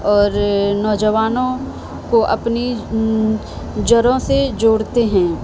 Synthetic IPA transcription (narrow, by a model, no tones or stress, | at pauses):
ɔːɾnɔːd͡ʒəʋaːnõ | koʔɐpni | d͡ʒɐɾõsed͡ʒoːɽt̪eɦɛ̃ː